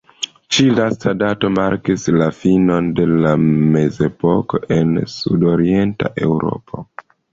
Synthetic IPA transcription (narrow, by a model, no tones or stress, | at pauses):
t͡ʃilastadato̞maɾkislafino̞nde̞lame̞ze̞poko̞ʔe̞nsudo̞ɾie̞nta̰ʔe̞̰wɾo̞̰pʰo̞̰